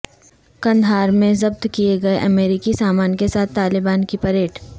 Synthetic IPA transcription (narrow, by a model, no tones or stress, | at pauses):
kɐ̃nd̪ʱaːɾmẽzɐb̚t̪kieɡɐeʔɐmeːɾikisaːmaːnkesaːt̪ʰːaːlɪbaːnkipɐɾeːʈʰ